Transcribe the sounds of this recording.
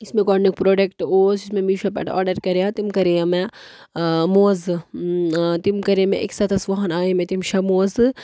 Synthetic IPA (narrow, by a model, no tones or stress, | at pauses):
ismẽkɔːɖnik̚pɾoːɖekʈoːsismẽmiʃɐpɛ̰ʈɔ̰ːɾɖɐɾkɐɾejãt̪imkɐɾejamɛ | moːzɨ | t̪imkɐɾemḛ̃ʔḛksɐt̪ɐsʋɐɦɐnaːemẽt̪imʃɐmoːzɨ